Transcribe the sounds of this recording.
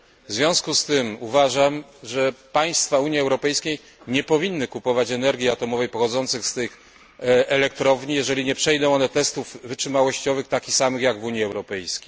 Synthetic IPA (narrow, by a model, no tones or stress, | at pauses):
vzvʲjɔ̃w̃skust̪ɘmuvaʐamʐɛpaj̃st̪fauɲjiɛwɾɔpɛjskʲej | ɲɛpɔvʲinːɘkupɔvat͡ɕɛnɛɾɡʲiat̪ɔmɔvɛjpɔxɔd̪zɔnt̪sɘxst̪ɘx | ɛlɛk̚t̪ɾɔvɲijɛʐɛlʲiɲɛpʂɛjd̪ɔ̃w̃ɔnɛt̪ɛst̪uvvɘtʂɘmawɔɕt͡ɕɔvɘxt̪akʲixsamɘxjaɡvuɲjiɛwɾɔpɛjskʲejj